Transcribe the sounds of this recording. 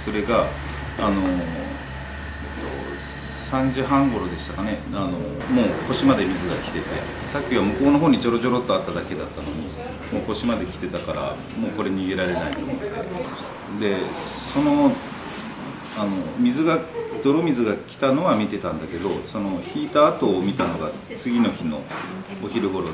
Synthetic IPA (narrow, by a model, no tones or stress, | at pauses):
so̞ɾe̞ɡaː | no̞ | et̪ːo̰ | sãɲ̟d͡ʑɨɦãŋɡo̞ɾo̞d̪e̞ɕi̥t̪akane̞ano̞ | mo̞ːko̞ɕimad̪e̞mʲizɨɡakʲi̥t̪e̞t̪e̞ | sakʲːiβamɯ̟ko̞ːno̞ɦoːɲ̟it͡ɕo̞ɾo̞d͡ʑo̞ɾo̞t̪ːo̞at̪ːad̪ake̞d̪at̪ːano̞ɲ̟ḭ | mo̞ːko̞ɕimad̪e̞kʲi̥t̪e̞t̪akaɾa̰ | mo̞ːko̞ɾe̞ɲ̟iɡe̞ɾaɾe̞nait̪o̞ːmo̞̰t̪ːe̞̰ | d̪e̞so̞no̞ | ano̞mʲizɨɡad̪̥o̞ɾo̞mʲizɨɡakʲi̥t̪ano̞βamʲit̪e̞t̪ãnd̪ake̞d̪o̞so̞no̞çiːt̪aːt̪o̞ːmʲit̪ano̞ɡa | t͡sɨɡʲino̞çino̞̰oçiɾɯ̟ɡo̞ɾo